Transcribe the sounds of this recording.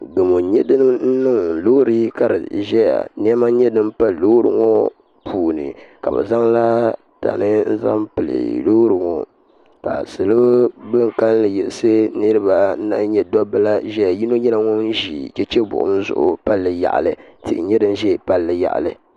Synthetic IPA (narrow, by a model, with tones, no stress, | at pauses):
ɡɨ˨mo˨ɲɛ˦dɨ˦n˦n̩˦nɨ˦ŋ˨loː˦ɾɨ˦ka˨ɾɨ̰˨ʒɛ˦ja̰˨ni˦ɛ˦ma˦ɲɛ˦dɨ˦m˦pa˦˨loː˦ɾɨ̰˦ŋɔ˦ | pʰuː˨nɨ̰˨ka̰˨bɨ̰˨za˦ŋla˦ | ta̰˨nɨ˦n̩˦za˦mpɨ˨lɨ̰˨loː˦ɾɨ˨ŋɔ̰˨ | ka̰˨sɨ˨lɨ˦bɨ˦ŋ˨ka˦llɨ˨jɛ˨sɨ˦nɨ˦ɾɨ˦ba˨˦na˦ɲɛ˨dɔ˦bɨ˦la˦ʒɛ˦ja˨ji˦no˦ɲɛ˦la˦ŋɔ˦n̩˦ʒḭ˨t͡ʃɛ˦t͡ʃɛ˦bʊ̰˨ʔʊ̰˦m̩˦zʊ̰˨ʔʊ̰˨pa˦lːɨ˨ja̰˨ʔlɨ˨tɨ˨ʔɪ̰˨˦ɲɛ˦dɨ˦n˦ʒɛ˦˨pa˦lːɨ˨ja̰˨ʔa̰˨lɨ˨